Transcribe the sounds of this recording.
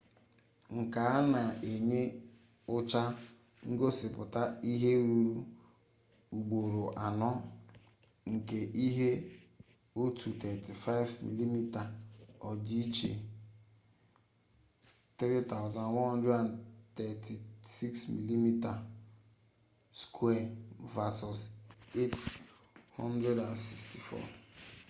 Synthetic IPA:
ŋ̩˨ka˨a˦na˨e˨ɲe˦ | ʊ˦t͡ʃa˦ | ŋ̩˦ɡo˦sɪ˨pʊ˨ta˦i˦ɦe˦ɾuu˦u˦ | u˨ɡ͡bo˨ɾo˨ʔa˨nɔ˦ | ŋ̩˨ke˨ʔi˦ɦe˦ | o˦tʰu˨tɛ˨ti˨fa˦ɪ˦vmḭ˨li˦mi˦ta˨ɔ˨d͡ʒi˦t͡ʃḛ˨ | t̪ɾi˦ta˦˨wʊ˨zã˨nwɔ̃˦n˦dɾe˦a˨n˨tɛ˨ti˨si˦ksmḭ˨li˦mi˦ta˨ | skʰwɛ˦˨va˨sɔ˨se˦t | hɔ˦ndɾe˦da˨nsi˨ksti˨fɔ̰˦

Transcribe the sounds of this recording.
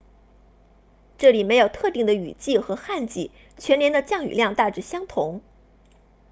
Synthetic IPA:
ʈ͡ʂɤ˥˩li˨˩me˧˥ɪjo˨˩ʊt̪ʰɤ˥˧t̪i˥˩ŋd̪ə˩y̰˨˩t͡ɕi˥˩xɤ˧˥xa˥˧nt͡ɕi˥˩ | t͡ɕʰɥɛ˧˥njɛ˧˥nd̪ə˧t͡ɕjɑ˥˩ŋy̰˨˩ljɑ˥˧ŋt̪a˥˩ʈ͡ʂɻ̩˥˩ɕjɑ˥ŋt̪ʰʊ˧˥ŋ

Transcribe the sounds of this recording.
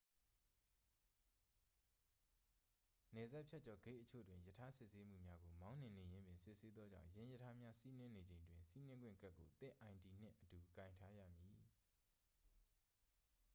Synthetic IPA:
nɛ˨za˦ʔpʰja˦t̚t͡ɕɔ˨ɡe˦˨ʔə˦t͡ɕʰo̰˦˨dwɪ̃˨jə˨tʰa˦sɪ˦ʔse˦m̥ṵ˦˨mja˦ɡo˨mã˦ʊ̃n̥ɪ̃˨ne˨jɪ̃˦mbjɪ̃˨nsɪ˦ʔse˦d̪ðɔ˦d͡ʑã̰˦˨ʊ̃jɪ̃˦jə˨tʰa˦mja˦si˦nɪ̃˦ne˨d͡ʑẽ˨ɪ̃ndwɪ̃˨nsi˦nɪ̃˦ŋɡwɪ̰̃˦˨ka˦ʔkːo˨t̪ɪ̰̃˦˨ʔã˨ɪ̃ndi˨n̥ɪ̰̃˦˨ʔətu˨kã˨ɪ̃ntʰa˦jä̰˦˨mji˨

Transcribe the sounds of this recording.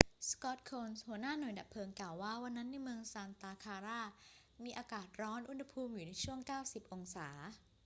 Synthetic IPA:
skɔ˦˥t̪̚kʰoː˧nshu˩˦ənaː˥˩nu˨˩˦jda˨˩p̚pʰɤː˧ŋklaː˨˩waː˥˩wa˧nːa˦˥nːa˧jmɯ˧əŋsaː˧nt̪aː˧kʰaː˧ɾaː˥˩ | miː˧ʔaː˧kaː˨˩t̪̚ɾɔː˦˥nʔu˧˥nha˧pʰuː˧mjuː˨˩na˧jt͡ɕʰu˥˩əŋkaː˥˩wsi˨˩p̚ʔo˧ŋsaː˩˦

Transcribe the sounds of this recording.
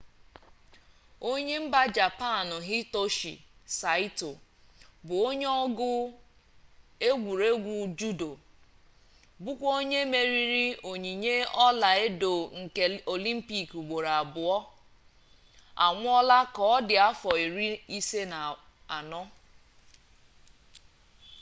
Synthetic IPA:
o˦ɲe˦m̩˦ba˦d͡ʒa˨pa˦˨nʊ˨ɦi˦to˦ʃḭ˨sa˨˦i˦to˨ | bʊ˨o˦ɲe˦ɔ˦ɡʊ˦ | e˦ɡʷu˨ɾe˦ɡʷu˨d͡ʒu˦do˨ | bʊ˦kʷo˦ɲe˦me˨ɾi˦ɾi˦o˨ɲi˨ɲe˦ɔ˦la˨e˦do˨ŋ̩˨ke˨o˨li˦m̩˦pi˦ku˨ɡ͡bo˨ɾa˨a˨bʊ˨ɔ˦ | a̰˨ŋʷʊ˦ɔ˦la˦kɔ˦ɔ˦dɪ˨a˦fɔ˨i˨ɾi˦i˦se˦na˨ | a˨nɔ˦

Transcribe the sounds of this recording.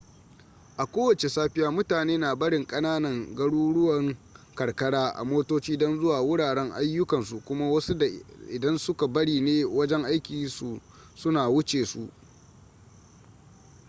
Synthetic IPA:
ʔa˨kʷoː˦wɐ˨t͡ʃe˨saː˦ɸɪ˦jaː˦mʊ˦taː˨neː˦naː˨bɐ˦ɽɪ˨ŋkʼɐ˦naː˦nɐ˨ŋɡɐ˦ɽuː˦ɽʊ˦wɐ˨ŋkɐ˨rkɐ˦ɽaː˦ʔa̰˨moː˦toː˦t͡ʃiː˦dɔ˦nzʊ˦waː˨wʊ˦ɽaː˨ɽɛ˦ŋʔa̰˦jːʊ˦kɐ˨nsu˨kʷʊ˦ma˦wɐ˦su˦da˨ʔɪ˨dɐ˦nsʊ˦ka˨bɐ˦ɽiː˨neː˦wɐ˦d͡ʒɛ˦ŋʔa˦jkʲiː˨su˨ | sʊ˦naː˨wʊ˦t͡ʃeː˨su˨ʔ

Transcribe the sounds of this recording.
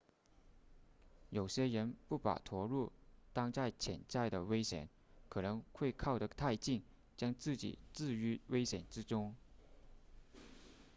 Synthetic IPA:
jo˨˩ʊɕjɛ˥ɻə˧˥npu˥˩pa̰˨˩t̪ʰwɔ˧˥ɻu˥˩t̪ɑ˥ŋt͡sa˥˩ɪt͡ɕʰjɛ˧˥nt͡sa˥˩ɪd̪ə˩we˥ɪɕjɛ̰˨˩˦n | kʰɤ˨˩nɤ˧˥ŋxwe˥˧ɪkʰɑ˥˩ʊdə˩t̪ʰa˥˧ɪt͡ɕi˥˩ŋ | t͡ɕjɑ˥ŋt͡sɹ̩˥˩t͡ɕḭ˨˩t͡sɹ̩˥˩y˧˥we˥ɪɕjɛ˨˩nʈ͡ʂɻ̩˥ʈ͡ʂʊ˥ŋ

